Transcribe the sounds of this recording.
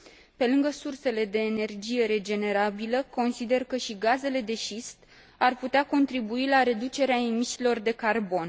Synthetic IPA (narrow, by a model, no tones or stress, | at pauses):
pe̞lɨŋɡəsurse̞le̞d̪e̞ːne̞rd͡ʒije̞ɾe̞d͡ʒe̞ne̞ɾabiləko̞nsid̪e̞rkəʃiɡaze̞le̞d̪e̞ʃist̪ | arput̪eako̞nt̪ɾibuilaɾe̞d̪ut͡ʃe̞ɾeaemisilo̞rd̪e̞karbo̞n